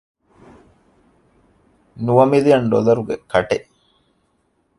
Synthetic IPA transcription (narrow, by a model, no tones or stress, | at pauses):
nuʋɐmilijɐnɖo̰lɐɾuɡekɐʈeʔ